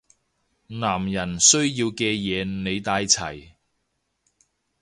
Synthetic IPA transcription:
naː˨˩mjɐ˨˩nsɵ˥ɥjiː˧wkɛː˧jɛː˨˧ne˨˧jt̪aː˧jt͡sʰɐ˨˩j

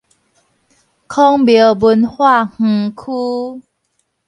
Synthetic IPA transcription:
kʰɔ˦ŋbjə˨˦bu˧nhwa˥˨ŋ̩˨˩kʰu˦

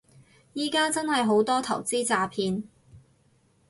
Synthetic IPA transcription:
jiː˥kaː˥t͡sɐ˥nhɐ˨jɦo˨˥wt̪ɔː˥t̪ʰɐ̰˨˩wt͡siː˥t͡saː˨˧pʰiː˧n

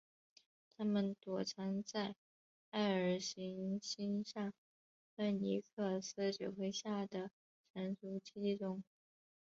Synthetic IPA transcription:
t̪ʰa˥mə˨nt̪wɔ˨˩ʈ͡ʂʰɑ˧˥ŋt͡sa˥˧ɪ | a˥˩ɪə˞˨˩ɕi˧˥ŋɕi˥nʂɑ˥˩ŋ | fə˥˩ni˧˥kʰɤ˥˩s̩˥t͡ɕjo˨˩ʊxwe˥ɪɕja˥˩d̪ə˩ | ʈ͡ʂʰə˧˥nt͡su˧˥t͡ɕʰi˥ti˥˧ʈ͡ʂʊ˥ŋ

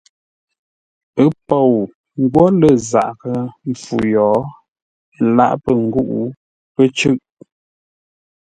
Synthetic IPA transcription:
ə˦pɔ˨w | ŋ˦ɡwɔ˦lə˦˨za̰˨ʔkə˨ɱ̩˨fu˨jɔː˨˦˨ | la̰˦˨ʔpə˨ŋ̩˦ɡu˦ʔu˦ | pə˦t͡ʃʉ˦ʔ

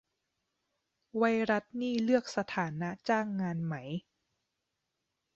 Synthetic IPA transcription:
wa˧jɾa˦˥t̪̚niː˥˩lɯ˥˩ək̚sa˧t̪ʰaː˩˦na˦˥t͡ɕaː˥˩ŋːaː˧nma˦˥j

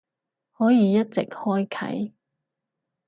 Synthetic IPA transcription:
hɔː˨˥jiː˨˧jɐ˥t̚t͡sɪ˨k̚hɔː˥jkʰɐ̰˨˥j

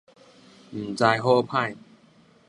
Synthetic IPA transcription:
m̩˨˩t͡sa˧jɦo˥˧˨pʰã˥˩j

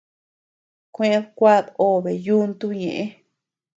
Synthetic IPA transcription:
kʷẽ˦bkʷa˦d̪o˦be˨ju˦nt̪u˦ɲẽ˨ʔe˦

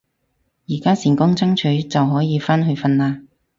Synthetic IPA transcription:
jiː˨˩kaː˥siː˨˩nkʊ˥ŋt͡sɐ˥ŋt͡ʃʰɵ˨˥ɥt͡sɐ˨wɦɔː˨˥jiː˨˧faː˥nɦɵ˧ɥfɐ˧nlaː˧

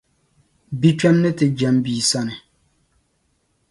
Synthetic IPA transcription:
bi˦t͡ʃᶣɛ˦mnɪ˦tɪ˨d͡ʒɛ˨˦mbiː˨sa˦nɪ˨

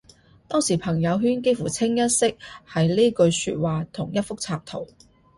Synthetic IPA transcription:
t̪ɔː˥ŋsiː˨˩pʰɐ˨˩ŋjɐ˨˧wɦyː˥nke˥jfuː˨˩t͡sʰɪ˥ŋjɐ˥t̚sɪ˥k̚hɐ˨jliː˥kɵ˧ɥsy̰ː˧t̚waː˨t̪ʰʊ˨˩ŋjɐ˥t̚fʊ˥k̚t͡sʰaː˧p̚t̪ʰo̰˨˩w

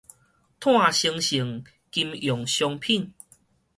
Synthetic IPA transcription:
t̪ʰw̃ã˥˨ɕi˧ŋɕi˨˩˦ŋ | ki˧mjɔ˨˩ŋɕjɔ˧ŋpʰi˥˨n

